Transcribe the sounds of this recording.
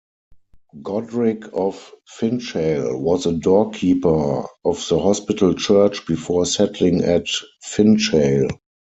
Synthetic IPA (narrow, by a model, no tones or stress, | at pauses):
ɡɔdɹɪkʰɔfːɪ̃nt͡ʃeɪlwɔzədɔkʰiːpə˞ɔfðəhɔspɪtʰl̩t͡ʃɜ˞t͡ʃb̥ifɔsɛtlɪ̃ŋɛtfɪ̃nt͡ʃeɪl